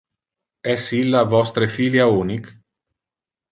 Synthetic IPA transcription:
ɛsilːavɔst̪ɾefiːljauːnik

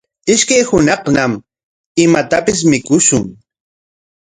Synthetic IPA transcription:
ɪʃkajhʊnɑχnam | ɪmat̪apɪs̬mɪkʊʃʊŋ

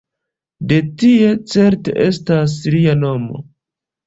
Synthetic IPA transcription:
de̞tie̞t͡se̞ɾte̞̰ʔe̞stas̬liano̞mo̞̰

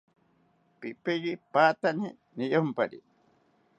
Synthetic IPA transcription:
pipejipaːt̪ani | nijompaɾḭ

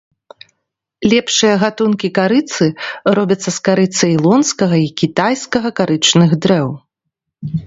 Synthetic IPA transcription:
lʲɛpʂɨjɐɣat̪unkʲikaɾɨt̪sɨɾɔbʲɐt̪sːɐskaɾɨt̪sɨilˠɔnskɐɣɐikʲit̪ajskɐɣɐkaɾɨt͡ʂnɨɣd̪ɾɛw

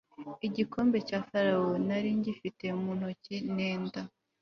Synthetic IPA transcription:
iɟiko̞ːmbe̞caːfaɾawonaɾiɲɟifite̞mun̥hocineːnda

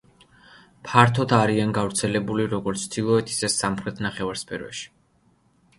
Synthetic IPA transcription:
pʰaɾt̪ʰɔt̪ʰaɾianɡavɾt̪sʰɛlɛbuliɾɔɡɔɾt̪sʰt̪ʰilˠɔɛt̪ʰi̥sɛsːamχɾɛt̪ʰnaχɛvaɾspʰɛ̰ɾɛ̰ʃi̥

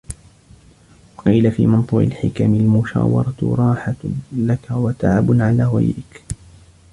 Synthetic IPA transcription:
wɑqiːlafiːmɑnt̪ˤuːʕɪ̰lħɪkaːmɪlmʊʃa̰ːwɑ̰ɾˤɑt̪ɾˤɑːħalakawat̪aʕabʊnʕalaːɣa̰jɾɪk

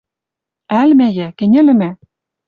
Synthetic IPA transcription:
ælmæjækɘ̆nʲɘ̆lɘ̆mæ

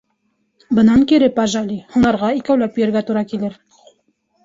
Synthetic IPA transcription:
bɤ̆nɑŋkiɾɘpɑʒɑlʲihunɑɾʁɑikæwlæpɵjɘ̆ɾɡæt̪uɾɑkilɘɾ

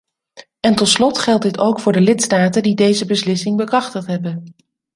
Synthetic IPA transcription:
ɛntɔtslɔtχɛlˠt̚dɪtowkfʊːɹdəlɪtstaːtəndidejzəbəslɪsɪŋbəkrɑχtəχtɦɛbən

